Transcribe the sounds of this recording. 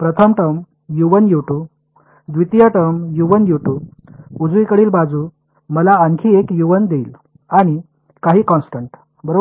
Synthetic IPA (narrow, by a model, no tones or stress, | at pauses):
pɾət̪ʰəmʈəm | juʋənjuʈuːb | d̪ʋit̪jəʈəmjuʋənjuʈuːb | ud͡zʋikəɽiːlbad͡zuː | məlaːŋkʰiːekjuʋənd̪eːl | aɽ̃i | kaɦiːkɔ̃nsʈəɳʈ | bəɾo